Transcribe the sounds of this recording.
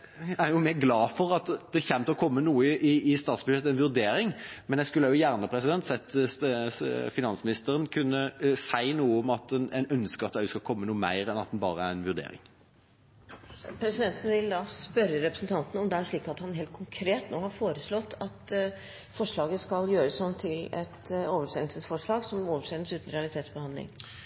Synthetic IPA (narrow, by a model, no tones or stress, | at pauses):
æjʊmeːɡlɑːfɔɾɑt̪d̪ɛçæmt̪əɔkʰɔmːənuːəʔɪɪst̪ɑːt̪sbʉʃeːt̪ɛɪnʋʉɾd̪eːɾɪŋmɛnjɛskʉlːəjʊjæːʁnəpʰɾɛsɪd̪ɛnt̪sɛt̪ː | fɪnɑnsmɪnɪst̪əɾənkʰʉnːəsæɪnuːəɔmɑt̪ɛnɛnœnskəʁɑt̪d̪æskɑlkʰɔmːənuːəmæ̰ɪɾɛnɑt̪d̪ɛnbɑ̰ːʁəæɾænʋʉɾd̪ḛːɾɪ̰ŋ | pʰɾɛsɪd̪ɛnt̪nʋɪld̪ɑːspœɾəɾɛpɾəsn̩t̪ʰɑnt̪ənɔmd̪ɛæʂɭiːkɑt̪hɑnɦeːlt̪̚kʰʊŋkʰɾeːt̪noːhɑɾfoːɾəslɔt̪ːʰɑt̪ | fɔʂɭɑːɡəskɑljøːɾəsnɔnt̪ʰɪlɛt̪oːʋəʂɛːlsəsfɔʂɭɑːɡsɔmoːʋəʂeːləsʉːt̪n̩ɾɛɑlɪt̪ʰeːt̪sbəhɑnd̪lɪ̰ŋ